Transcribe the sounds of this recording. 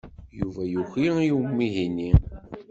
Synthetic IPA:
juvæjuçiijumːiɦinːi

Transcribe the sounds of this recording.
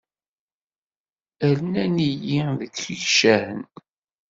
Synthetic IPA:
əɾnænijiðəkːiçʃæhən

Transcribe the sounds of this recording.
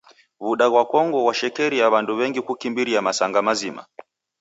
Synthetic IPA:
βuɗaɣwakɔŋɡɔwaʃɛkɛɾiaβanduβɛŋɡikukimbiɾiamasaŋɡamazima̰

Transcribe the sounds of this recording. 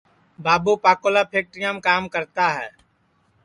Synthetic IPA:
baːboːpaːkoːlaːpʰeːk̚ʈɾɪjãːmkaːmkəɾt̪aːɦɛː

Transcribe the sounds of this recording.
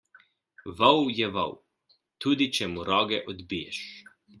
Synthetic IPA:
ʋɐwjɛʋɔ̰w | t̪uːd̪it͡ʃɛmuɾɔːɡɛʔɔd̪bijɛʃ

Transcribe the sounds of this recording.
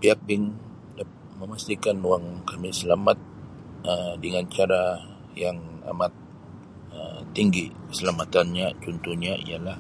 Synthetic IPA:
piak̚bɪŋ | dapaməmast̪ikanuwaŋkamisəlamat̪̚ | ədəŋant͡ʃaɾa | jaŋa̰mat̪̚ | ə̰t̪ːiŋɡisəlamat̪anɲat͡ʃɔnt̪uɲaḭjalah

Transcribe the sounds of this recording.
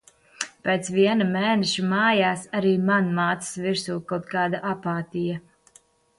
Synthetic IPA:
pʲeːt̪sviɛnamɛːnɛʃimaːjaːsaɾiːmanmaːt̪ssviɾsuːkawt̪̚kaːd̪aʔapaːt̪ija

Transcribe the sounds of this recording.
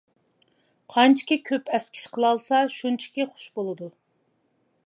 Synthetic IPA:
qʰɑnt͡ʃʰi̥kʲikʲʰøpɛskʲʰi̥ʃqʰəlˠɑlˠsɑʃunt͡ʃʰi̥kʲiχʊ̥ʃbolˠɨd̪u

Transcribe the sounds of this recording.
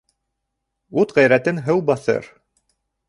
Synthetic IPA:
ut̪ʁæjɾæt̪ɘnɦɤwbɑθɤ̰ɾ

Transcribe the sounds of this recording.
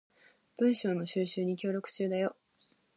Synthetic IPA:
b̥ɯ̟̃ɰ̃ɕo̞ːno̞ɕɨːɕɨːɲ̟ikʲo̞ːɾʲo̞kɯ̟̥t͡ɕɨːd̪ajo̞

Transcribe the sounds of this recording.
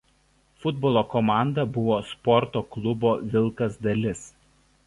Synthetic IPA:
fʊd̪bɔlˠoːkɔmɑˑnd̪ɐbʊʋoːspɔɾt̪oːklˠʊboːʋʲɪlˠˑkɐsd̪ɐlʲɪs

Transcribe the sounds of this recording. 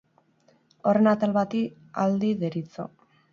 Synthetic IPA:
o̞re̞nat̪alβat̪i | a̰ld̪iðeɾit͡so̰

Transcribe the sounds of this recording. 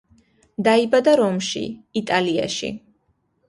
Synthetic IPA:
d̪aibad̪aɾɔmʃḭit̪ʼalia̰ʃḭ

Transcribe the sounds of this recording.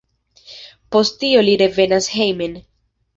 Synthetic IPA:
po̞sttio̞liɾe̞ve̞nashejme̞n

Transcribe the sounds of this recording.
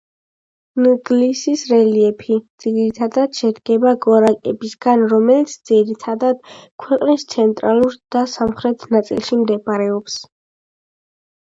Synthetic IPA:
nuɡlisisɾɛliɛpʰid̪z̥iɡɾit̪ʰad̪ad̪̥ʃɛd̪ɡɛbaɡɔɾakʼɛbisɡanɾɔmɛlit̪sʰd̪z̥iɾit̪ʰad̪ad̪̥kʰwɛqʼnist̪sʰɛnt̪ʼɾalˠuɾd̪̥asamχɾɛt̪ʰnat̪sʼḭlˠʃimd̪ɛpʼaɾɛɔps

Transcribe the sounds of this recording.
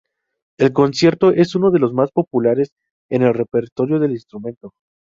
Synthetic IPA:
e̞lk̬o̞nsje̞ɾt̪o̞ʔe̞suno̞ð̞e̞lo̞zmaspo̞pulaɾe̞s | e̞ne̞lre̞pe̞ɾt̪o̞ɾjo̞ðe̞linst̪ɾumẽ̞nt̪o̞

